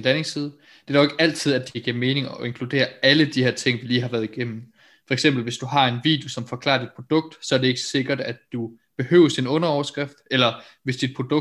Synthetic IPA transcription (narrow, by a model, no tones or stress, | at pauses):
nlæne̝ŋsiːðˠ | d̥e̝æ̥ɒeɡ̥æl̰t͡sʰið̰ˠæd̥iɡ̥iɐme̝ːne̝ŋɒ̽e̝ŋkʰlud̥e̝̰ːɐæləd̥ihæɐt͡sʰe̝ŋ̰ʋiliːɦɑ̈ʋæːɐðˠiɡ̥em̰m̩ | fɒ̽eɡ̥sem̰b̥l̩ʋe̝sd̥uɦɑ̈e̝nʋḭːd̥jo̝sɒ̽mfɒ̽kʰlɑ̰̈ːɐd̥id̥̚pʰʁo̝d̥ɔ̽ɡ̥̚d̥sɒ̽ɐɾ̥e̝e̝ɡ̥ə̥se̝ɡ̥ɐd̥ædd̥u | b̥e̝hø̰ːʊsd̥inɔ̽nɐɒʊɐsɡ̥ʁafd̥elɐʋe̝sd̥id̥̚pʰʁod̥ɔ̽